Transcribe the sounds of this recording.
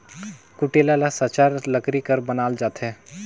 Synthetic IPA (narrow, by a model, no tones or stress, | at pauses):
kʊʈelalasət͡ʃaɾləkɾikəɾbənaːld͡ʒaːt̪ɦɛː